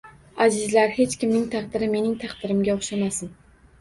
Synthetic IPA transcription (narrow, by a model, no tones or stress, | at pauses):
azɪzlaɾhe̞t͡ʃkʲɪmnɪŋt̪ʰɑqd̪ɪɾɪme̞nɪŋt̪ʰɑqd̪ɪɾɪmɡʲaoχʃamasɪn